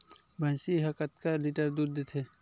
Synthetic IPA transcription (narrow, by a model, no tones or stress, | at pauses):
bʱãsiɦɐkət̪̚kaliʈəɾd̪uːɾd̪et̪ʰe